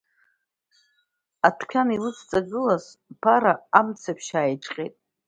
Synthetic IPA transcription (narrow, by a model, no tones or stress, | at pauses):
atʰkʷʲʰanilɨst͡sʼaɡʷɪlas | pʰaɾaamt͡sʰapʰʃaːjʈ͡ʂʼqʲʼḛtʼ